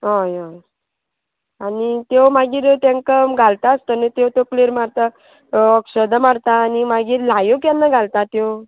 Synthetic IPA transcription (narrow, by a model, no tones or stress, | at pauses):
ɦɔjɦɔj | anit̪ewmaɡiːɾt̪aŋkəmɡʱalt̪aəst̪onet̪ewt̪okleɾmaɾt̪a | əksəd̪əmaɽt̪aːnimaɡiːɾlajokjanːaɡʱalt̪at̪ew